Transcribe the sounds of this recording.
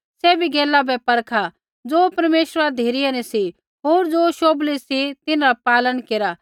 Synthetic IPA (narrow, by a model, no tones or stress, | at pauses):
sɛbʱiɡɛːlabɛpɐɾkʰa | d͡zoːpɐɾmeːʃɾad̪ʱeːɾianɛsi | ɦoːɾd͡zoːʃoːblisit̪ɪnɾapaːlənkeːɾa